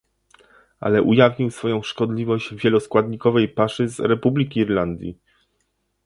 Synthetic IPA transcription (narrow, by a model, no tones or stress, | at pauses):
a̰lɛʔujavɲiwsfɔjɔ̃w̃ʂkɔd̪lʲivɔʑd͡ʑvʲjɛlɔskwad̪ɲikɔvɛjpaʂɘzɾɛpublʲikʲiːɾland̪ʲjḭ